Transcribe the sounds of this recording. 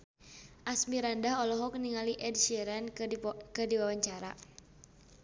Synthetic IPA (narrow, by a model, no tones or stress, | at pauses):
ʔasmiɾandaɦɔlɔɦɔkniŋaliʔɛd̚ʃiɾɛnkɨrdiwawaɲt͡ʃaɾa̰